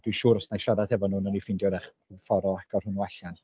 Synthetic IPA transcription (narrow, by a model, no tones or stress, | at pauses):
d̥wiʃuːɾɔsnajʃadad̥hɛvɔnuːnɔnifɪndjɔdɛχ | fɔɾɔaɡɔrhʊnuaɬan